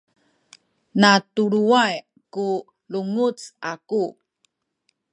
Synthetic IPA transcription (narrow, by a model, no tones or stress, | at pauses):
natuɾuaj | ku | luŋut͡saku